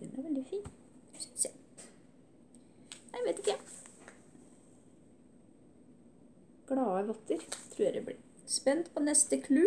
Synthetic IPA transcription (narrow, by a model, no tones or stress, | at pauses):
ɪnæʋɛld̪ɪfiːn | s | næɪʋeːt̪ɪkːə | ɡ̥ɽɑːəɾɔt̪ʰːəɾt̪ʰɾuːjæd̪ɛ̰bɽḭ | spɛnt̪pʰoːnɛst̪əkʰlʉ